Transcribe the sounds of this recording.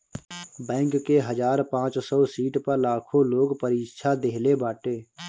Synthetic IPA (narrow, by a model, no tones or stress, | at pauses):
bɛ̃ːŋkːeɦəzaːɾpãːt͡ʃsɔːsiːʈpəɾlaːkʰõloːɡpəɾiːʃʰad̪eɦlebaːʈeː